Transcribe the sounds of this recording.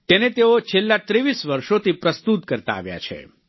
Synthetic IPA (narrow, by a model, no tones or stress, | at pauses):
t̪enet̪eot͡ʃʰelːat̪ɾiʋisʋəɾʃot̪ipɾəst̪ut̪kəɾt̪a̰ːʋja̰t͡ʃʰḛ